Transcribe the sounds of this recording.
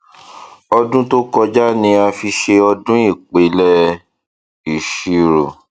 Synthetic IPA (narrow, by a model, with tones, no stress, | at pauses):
ɔ˧dũ˦to˦kɔ˧d͡ʒa˦nĩ˧a˧fi˧ʃe˧ɔ˧dũ˦i˦˨k͡pe˨˦lɛ˦ | i˨ʃi˨˦ɾo˨